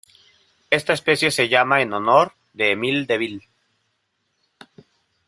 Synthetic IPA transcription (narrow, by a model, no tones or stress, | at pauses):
e̞st̪aespesje̞se̞ʝamaenonoɾ | ðeːmild̪eβil